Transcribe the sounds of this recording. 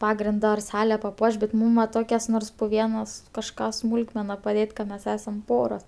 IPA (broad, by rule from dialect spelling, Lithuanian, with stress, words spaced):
ˈpɑːɡrʲɪndɐ ɐr ˈsɑːlʲɛ pɐˈpuɔʃ bʲɛt ˈmuːm ʋɐ ˈtoːkʲɛs ˈnoːrs pʊ ˈʋʲiɛnɐs kɐʃˈkɑː ˈsmuːlˠkmʲɛnɐ pɐˈdʲeːtʲ kɐ ˈmʲɛs ˈæːsɐm ˈpoːroːs